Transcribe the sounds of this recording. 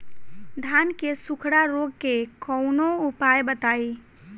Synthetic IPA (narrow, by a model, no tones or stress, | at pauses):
d̪ʱaːnkesʊkʰɽaɾoːɡ̚kekɔʊnoupaːjbət̪aːi